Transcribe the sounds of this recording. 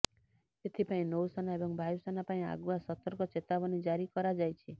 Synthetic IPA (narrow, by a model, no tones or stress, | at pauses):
et̪ʰipaĩnowsanaebɔŋbʱajusanapaĩa̰ɡuasɔt̪ɔɾkɔt͡ʃet̪abɔnid͡ʒaɾikɔɾad͡ʒajt͡ʃʰi